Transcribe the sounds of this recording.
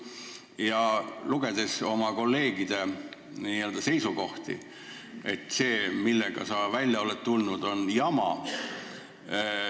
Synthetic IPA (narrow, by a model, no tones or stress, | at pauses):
jɑluɡ̥e̞d̪̥e̞so̞mɑko̞lːe̞ːɡid̪̥e̞ | niːeːld̪̥ɑse̞jsuko̞ht̪ḭ | e̞t̪ːˑse̞ːmilːeɡ̥ɑ̰sɑvælʲjɑo̞let̪t̪ːulnud̪̥o̞njɑmɑ̰